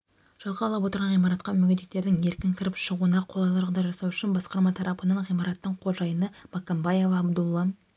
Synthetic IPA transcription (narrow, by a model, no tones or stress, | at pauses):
ʒ̥ɑlˠʁɑlˠɑpwo̞t̪əɾʁɑnʁijmɑɾɑt̪qɑmʏɡʲed̪ek̚t̪e̞ɾd̪ɪŋe̞ɾkʲɪŋkʲʰɪɾɪpʃəʁuənɑqʰo̞lˠɑlˠɑʒəʁd̪ɑjʒɑsɑwʏʃɪnbɑsqɑɾmɑt̪ʰɑɾɑpənəɴʁijmɑɾɑt̪ːəɴqʰo̞lˠʒɑjənəmɑkombɑje̞vɑːbd̪ulˠːɑ